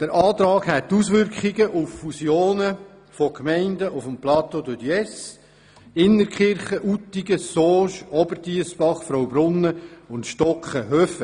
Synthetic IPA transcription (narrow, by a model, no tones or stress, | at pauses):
d̪̥əɾʔɑːt̪ɾɑːɡhɛt̪ːusʋʏɾkχiɡəʔufːusjoːnə | fɔkmɛɪndəʔufəmplɑt̪odəd̪yɛs | ɪnːəɾkχɪɾχəʔutːiɡəsoːʃɔbərtiəsb̥ɑχfɾɔwbɾʊnːəʊntʃtɔkχəɦøfə